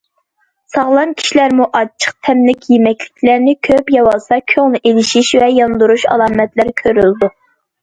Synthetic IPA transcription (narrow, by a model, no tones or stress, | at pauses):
sɑʁlˠɑnkʲʰi̥ʃlæɾmuʔɑt͡ʃʰə̥q̚t̪ʰɛmlɪkʲʰjemɛkʲlɪkʲʰlæɾnɪkʲʰøpjɑwɑlˠsɑkʲʰøŋnɨʔelɪʃiʃvɛjɑnd̪uɾuʃɑ̰lˠɑːmɛt̪læɾkʲʰøɾyld̪u